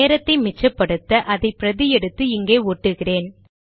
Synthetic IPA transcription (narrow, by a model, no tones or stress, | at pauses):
eːɾɐt̪ːɐɪmɪt͡ʃːɐpːɐɽɯt̪ːɐʔɐðɐɪpɪɾɐðɪjɛɽɯt̪ːɯɪŋɡeːoːʈːɯɣɪreːn